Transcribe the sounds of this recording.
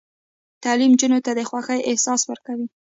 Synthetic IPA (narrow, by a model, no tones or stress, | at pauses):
t̪alimd͡ʒunot̪ad̪əxwaxəjʔɪhsɑswəɾkawi